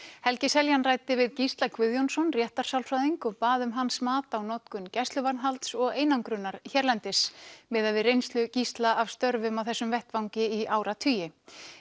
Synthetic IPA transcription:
hɛlcɪsɛljanraːjt̪ɪvɪðcist̪lakʰvʏðjonsɔnrjɛht̪aɾ̥sawlfɾaðiŋkɔpaːðʏmɦansmaːt̪awnɔt̪kʏncɛst̪lʏvaɾnɦalt̪sɔɣeːjnawŋkɾʏnːaɾ̥çɛɾlɛnt̪ɪsmɛːðavɪðrejnst̪lʏcist̪laavst̪œɾvʏmawθɛsːʏmvɛht̪vawŋcɪiʔaːwɾat̪ʰyːjɪ

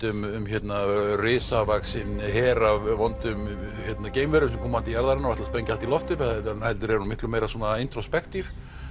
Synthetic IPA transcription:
t̪ʏmʏmçjɛt̪narɪːsavaksɪnnɦɛːɾavvɔnt̪ʏm | çjɛt̪naceːjmvɛɾʏmsɛmkʰɔːmaant̪ijaɾðaɾɛnaɔaht̪aspɾɛɲcɪalt̪ilɔft̪ʏpɛt̪anhɛlt̪ʏɾɛɾnumɪht̪lʏmeːjɾaswɔːnaɪjnt̪ɾɔspɛkt̪iɾ

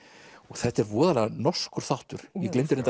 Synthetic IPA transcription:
ɔɣθɛht̪ɛɾvɔːðalɛɣanɔskʏɾ̥θawht̪ʏɾ̥jɛklejnt̪ɪɾnɛnt̪

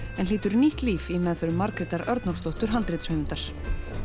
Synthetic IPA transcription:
ɛnliːt̪ʏɾniht̪liːfimɛðθʏɾʏmːaɾkɾɪt̪aɾœɾt̪nɔst̪owht̪ʏɾ̥ɦalt̪ɾɪt̪shœmɪnt̪aɾ̥

